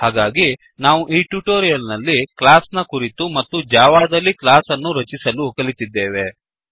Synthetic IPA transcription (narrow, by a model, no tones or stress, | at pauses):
ɦaːɡaːɡi | naːʋuʔiːʈuʈoːɾijɐlnɐlːiklaːsnɐkuɾit̪umɐt̪ːud͡ʒaːʋaːd̪ɐlːiklaːsɐnːuɾɐt͡ʃisɐlukɐlit̪id̪ːe̞ːʋe̞